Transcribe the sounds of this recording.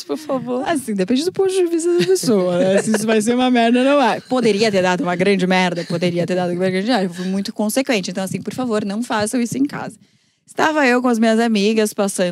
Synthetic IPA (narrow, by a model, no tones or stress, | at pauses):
poɾfavoɾasĩd̪epẽnd͡ʒɪd̪ʊpõt̪ɪd͡ʒɪd͡ʒɪvizɐd̪ɐpesowɐnɛsɪisʊvajs̬eɾũmɐmɛɾd̪ɐnɐ̃w̃ɛpod̪eɾiɐt̪eɾd̪ad̪ʊũmɐɡɾɐ̃d͡ʒɪmɛɾd̪ɐpod̪eɾiɐt̪eɾd̪ad̪ʊmɛɾɡɾɐ̃nd͡ʒɪaɾewfujmũj̃t̪ʊ̥kõsekwẽntt͡ʃɪẽnt̪ɐ̃wɐasĩpoɾfavoɾnɐ̃w̃fasewisʊẽka̰zɐ | ɪst̪avɐewkõɐzmĩɲɐzamiɡɐspasɐ̃